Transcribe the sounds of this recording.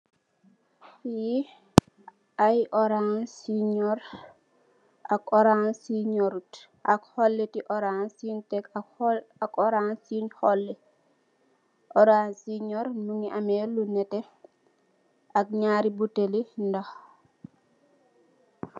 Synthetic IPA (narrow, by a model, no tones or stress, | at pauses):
i | ajʔɔɾansiɲɔɾ | akɔɾansiɲoɾut | ʔakhɔlːɛtiʔɔɾansintɛk | akɔɾansinhɔlːɛ | ʔɔɾansiɲɔɾnuŋiʔamɛlunɛtɛ | ʔak̚ɲaːɾibutelindah